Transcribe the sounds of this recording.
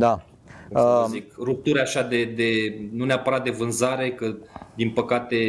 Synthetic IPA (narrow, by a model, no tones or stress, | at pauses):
d̪a | səzikrup̚t̪uɾeaʃad̪e̞d̪e̞nuneapəɾat̪̚d̪e̞vɨnzaɾe̞kəd̪inpəkat̪e̞